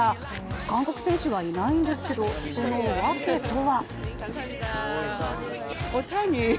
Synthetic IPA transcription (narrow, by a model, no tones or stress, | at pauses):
a | kãŋko̞kɯ̟sẽ̞ɰ̃ɕɨβainaĩnd̪e̞sɨ̥ke̞d̪o̞so̞noβake̞t̪ːoβa | ot̪aɲʲi